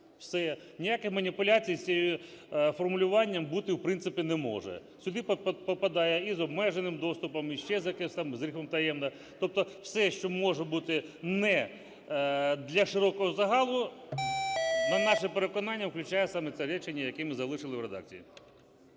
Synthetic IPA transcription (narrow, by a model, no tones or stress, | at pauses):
wsɛ | nʲijakɪxmɐnʲipʊlʲat͡sʲijʲt͡sʲiji | fɔrmʊlʲʊʋɑnʲːɐmbut̪ɪwpɾɪnt̪sɪpʲinɛmɔ̰ʒɛ̰ | sʲʊd̪ɪppɔpɐd̪ɑjɛizɔbmɛʒenɪmd̪ɔst̪ʊpɔmiʃt͡ʃɛzjɐkɪsɑmzɾʲixɔmt̪ɐjɛmnɐ | t̪ɔp̚t̪ɔwsɛʃt͡ʃɔmɔʒɛbut̪ɪnɛ | d̪lʲɐʃɪɾɔkɔɦɔzɐɦɑlˠʊ | nɐnɑʃɪpeɾekɔnɑnʲːɐwklʲʊt͡ʃajɛsɑmɛt̪sɛɾɛt͡ʃenʲːɐjɐkɛmɪzɐlˠɪʃɪlˠɪwɾed̪ɑ̰k̚t͡sʲijḭ